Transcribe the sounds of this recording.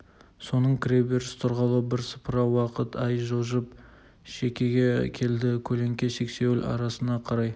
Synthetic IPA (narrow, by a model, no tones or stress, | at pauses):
so̞nəɴkʰʲɾebeɾɪst̪ʰʊɾʁɑlˠəbɪɾsəpʰɾɑwɑqət̪ʰɑjʒoʒəp | ʃe̞kʲe̞ɡʲe̞kʲʰe̞ld̪ɪkʲʰɵle̞ŋkʲe̞ʃe̞kse̞wɪlɑ̰ɾɑsənɑqʰɑɾɑj